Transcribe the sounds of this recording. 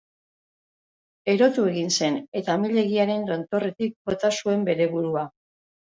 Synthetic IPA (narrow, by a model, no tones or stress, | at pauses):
e̞ɾo̞t̪ue̞ɣinse̞ne̞t̪amiʎe̞ɣiaɾe̞nd̪o̞nt̪o̞re̞t̪ik̚bo̞t̪asue̞mbe̞ɾe̞βuɾua